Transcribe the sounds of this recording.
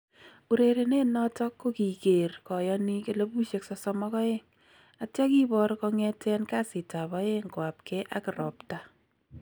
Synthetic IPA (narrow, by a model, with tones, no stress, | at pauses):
u˨ɾe˨ɾe˨ne˦nɔ˦tɔ˦kːo˦ki˨ke˨rkɔ˨jɔni˦ke˦le˦bu˦ʃe˦ksɔ˨sɔmɔkɔ˦e˦ŋ | a˨tja˦ki˦bɔ˦ɾkɔ˧ŋɛ˦tɛ˦nka˦sɪ˨ta˨βɔ˦e˦ŋɡwa˨p̚kɛ˦ʔa̰˦kɪ˨ɾɔ˨pta˨